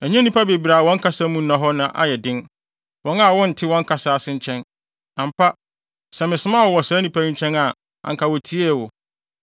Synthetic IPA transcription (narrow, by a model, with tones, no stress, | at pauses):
æ˨ɲã˦nĩ˦pʰa˦be˨bi˨ɾa˨wɔ̃˦ŋ̩˦kʰa˦sa˦mũ˦nã˨ɦɔ˦nã˨ʔa̰˦jɛ˨dɪ̃˦n | wɔ̃˦ŋa˦˨wɔ̃˦n̩˨tʰɪ˦wɔ̃˦ŋ˦kʰa˨sa˨a˨sɪ̃˦ɲ˦t͡ɕʰɛ̃˦n | ã˨m̩˨pʰa˦ | sɛ˨mɪ̃˨sɪ˦ma˦˨wɔ˨wɔ˨saː˨˦nĩ˦pʰã˦t͡ɕʰɛ̃˦na˨ | ã̰˨ŋkʰa˨wɔ˨tʰi˦e˦˨wɔ˨